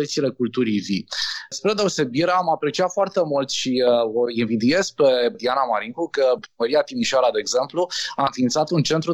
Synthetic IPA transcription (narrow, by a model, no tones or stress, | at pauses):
ət̪sile̞kult̪uɾivispɾed̪e̞ose̞biɾamapɾe̞t͡ʃiat̪foart̪e̞mult̪ʃioinvid̪ie̞z̥pɾe̞d̪ianamaɾiŋkukəpɾiməɾiat̪imiʃoaɾad̪e̞ːɡze̞mpluaɨnfiːnt̪sat̪unt͡ʃe̞nt̪ɾu